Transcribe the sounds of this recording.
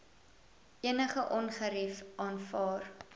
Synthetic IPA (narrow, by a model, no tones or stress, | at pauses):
ʔiənəχəʔɔnχəɾifʔɑːnfɑːr